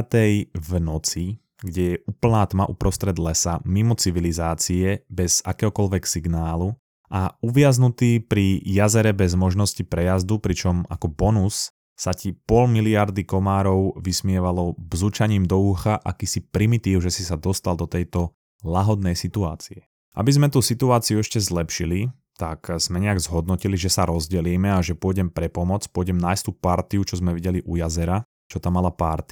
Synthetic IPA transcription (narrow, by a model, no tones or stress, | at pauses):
t̪ɛjvnɔt͡si | ɡɟɛjɛʔuːpl̩naːt̪maʔupɾɔst̪ɾɛd̪lɛsamimɔt͡siʋilizaːt͡siɛbɛz̥a̰kɛːɦɔkɔlʋɛksiɡnaːlu | ʔauʋɪaznut̪iːpɾijazɛɾɛbɛzmɔʒnɔscipɾɛjazd̪upɾit͡ʃɔma̰kɔbɔnusː | acipɔlmiliaɾd̪ikɔmaːɾɔʊʋismɪɛʋalɔbzuːt͡ʃaɲiːmd̪ɔuːxaʔa̰kiːsipɾimit̪iːʊʒɛsisad̪ɔst̪alˠd̪ɔt̪ɛjt̪ɔ | laɦɔd̪nɛjsit̪ua̰ːt͡siɛ | ʔa̰bizmɛt̪usit̪uaːt͡siuɛʃcɛzlɛpʃili | t̪akz̥mɛɲɛaɡzɦɔd̪nɔciliʒɛsaɾɔzɟɛliːmɛaʒɛpʊɔjɟɛmpɾɛpɔmɔt͡spʊɔjɟɛmnaːjst̪uːpaɾt̪iut͡ʃɔzmɛʋiɟɛliʔujazɛɾa | t͡ʃɔt̪amːalapaɾt̪i̥